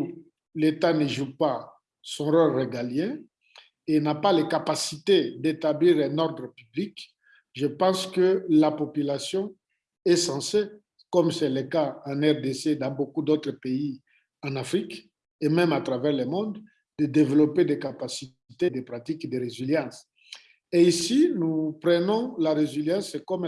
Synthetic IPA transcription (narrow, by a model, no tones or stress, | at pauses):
let̪anəʒupa | sɔ̃ʁɔlʁeɡaljɛ̃ | enapalekapasit̪ed̪et̪abliʁɛ̃nɔʁd̪ʁəpyblik | ʒəpɑ̃skəlapopylasjɔ̃ | ɛsɑ̃se | kɔmsɛləkaãnɛʁd̪esed̪ɑ̃bokud̪ot̪χəpei | ɑ̃nafχik | emɛ̃mat̪ʁavɛʁlemɔ̃d̪ | d̪əd̪evelɔped̪ɛkapasi | t̪ed̪epχat̪ikd̪əʁeziljɑ̃s | eisinupʁənɔ̃laʁeziljɑ̃skɔm